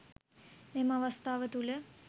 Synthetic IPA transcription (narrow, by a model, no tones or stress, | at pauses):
memɐʋɐst̪ʰaːʋət̪ulə